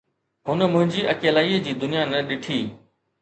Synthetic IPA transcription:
ɦʊnə̆mʊ̃ɦɪ̃ɲd͡ʑiʔɐkeːlaːiːəd͡ʑiːd̪ʊnijanɐɗɪʈʰiː

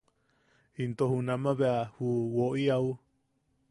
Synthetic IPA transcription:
int̪ohunãmãβeahuwoʔiau

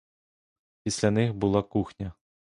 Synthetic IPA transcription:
pʲisʲlʲɐnɪxbʊlˠɑkuxnʲɐ

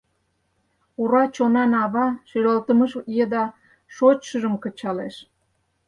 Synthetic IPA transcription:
uɾɑt͡ɕonɑnɑβɑʃeɾolt̪əməʃjed̪ɑ | ʃot͡ɕʃəʒəmkət͡ɕɑleʃ

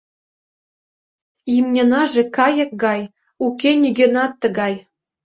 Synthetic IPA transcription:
imnʲenɑʒĕkɑjɤ̆k̚ɡɑj | ukʲenʲyɡʲenɑt̪ːə̆ɡɑj

